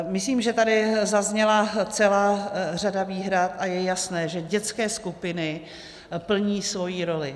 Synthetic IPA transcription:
mɪsliːmʒɛt̪adɪzazɲɛlat͡sɛlaːr̝adaviːɦɾat̪ʔajɛjasnɛːʒɛɟɛt͡skɛːskupɪnɪ | pl̩ɲiːsvo̞jiːɾo̞lɪ

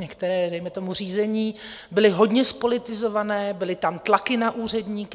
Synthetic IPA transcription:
ɲɛkt̪ɛɾɛːdɛjmɛt̪o̞mur̝iːzɛɲiːbɪlɪɦo̞dɲɛspo̞lɪt̪ɪzo̞vanɛːbɪlɪt̪amt̪lakɪnaʔuːr̝ɛdɲiːk

